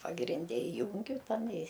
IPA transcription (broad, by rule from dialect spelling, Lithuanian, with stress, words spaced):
pɐɡrʲɪnʲˈdʲɛ ɪˈjuːŋʲɡʲʊ ˈtɐn ɪ